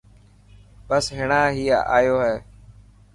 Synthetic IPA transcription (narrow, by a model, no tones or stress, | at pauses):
bəsɦɪɳaːɦiːaʔa̰ːjoːɦɛː